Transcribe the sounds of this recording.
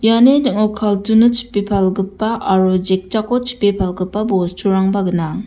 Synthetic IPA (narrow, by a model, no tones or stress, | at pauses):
janedɯkŋɔkʰaltunɯt͡ʃʰi̥pːipʰalɡɯpːaʔaɾud͡ʒek̚t͡ʃakot͡ʃʰi̥pepʰalɡɯpːabostʰuɾaŋbaɡɯnaŋ